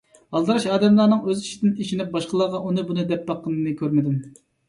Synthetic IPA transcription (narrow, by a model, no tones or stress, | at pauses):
ɑlˠd̪ɨɾɑʃɑːd̪ɛmlˠɑːnɨŋøziʃid̪ɪniʃinɪp̚bɑʃqəlˠɑːʁɑʔunɨbunɨd̪ɛpːɑqːənɨnɨkʲʰøɾmɪd̪ɪm